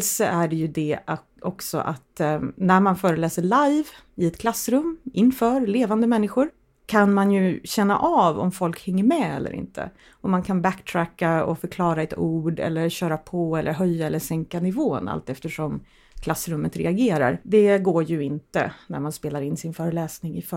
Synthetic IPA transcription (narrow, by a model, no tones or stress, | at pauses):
lsɔæɖɛjɵd̪ɛ | ɔksɔ̰ʔa̰t̪næɾmanfœːɾəlɛːsəɭajv | ɪɛt̪kʰlasːɾɵmːɪnːfœːɾleːvand̪əmɛnːɪɧʊɾ | kʰanmanjɵɕɛnːa̰ʔavɔ̰mfɔlkhɛŋːəɾmɛɛ̰lːə̰ɾɪ̰nt̪ʰə̰ | ɔmankʰanbækt̪ʰɾækːaɔ̰fœɾkʰlɑːɾaɛt̪ʰuːɖɛ̰lːəɾɕœːɾapʰɔɛlːəɾɦœjːaɛlːəʂɛŋkanɪvoːna̰lt̪ɛft̪əʂɔm | kʰlasːɾɵmːət̪ɾɛ̰aɡeːɾa̰ɾd̪ɛɡoːjɵɪnt̪ə̰næ̰ɾmanspeːlaɾɪnːsɪnfœːɾəlɛːsnɪŋɪf